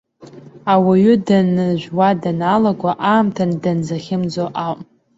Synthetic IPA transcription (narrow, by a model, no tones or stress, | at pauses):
awaɥʏdanɨʒᶣʷwadanalaɡʷaʔaːmtʰandanzaχʲɪmd͡zoʔawʔ